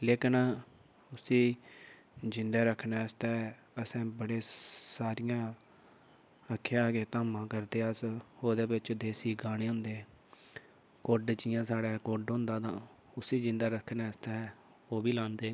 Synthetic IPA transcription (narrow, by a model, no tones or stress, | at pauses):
leːkən | ʊsiː | d͡ʒɪnd̪aːɾəkʰnaːəst̪aː | əsɛ̃ːbəɽeːsaːɾɪjãː | əkʰːjãːɡeːt̪aːmãːkəɾd̪eːəsoːd̪eːbɪt͡ʃd̪eːsiːɡaːɽ̃eːɦʊ̃nd̪eː | koɖd͡ʒɪjãːsaːɽaːkoɖɦʊ̃nd̪aːt̪ãː | ʊsiːd͡ʒɪnd̪aːɾəkʰːnɛːst̪aɛ | oːbiːlãːnd̪eː